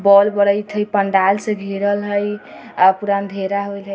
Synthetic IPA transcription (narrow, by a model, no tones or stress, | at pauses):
bɔlbəɾəjt̪ʰɦəjpəɳɖalsẽɡʱiɾəlɦəj | apuɾand̪ʱeɾaɦojlɦə